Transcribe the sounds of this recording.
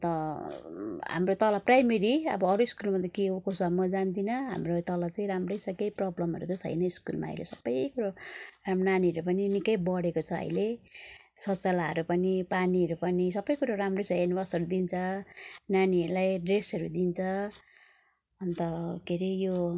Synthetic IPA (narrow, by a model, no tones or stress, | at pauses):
t̪ʌ | ɦa̰mrot̪ʌlaprajmeɾiʌ̰bʌːɾuiskulmʌnd̪ʌkiukosʌmːʌd͡zand̪inʌɦa̰mrot̪ʌlat͡saĩɾamrʌjsʌkʌjprʌblʌmɦʌɾut̪ʌsʰʌ̰jnʌiskulma̰ʌ̰jlḛsʌbːʌjkuɾaramnaniʌɾupʌninikʌjbʌɽekot͡sʰʌʌ̰jle | sʌt͡sʌlaɦʌ̰ɾupʌnipaniɦʌɾupʌnisʌbʌjkuɾaramrosenibasʌɾud̪int͡sʰʌnaniʌɾulajɖresʌɾud̪int͡sʰʌ | ʌnt̪ʌkʰeɾijo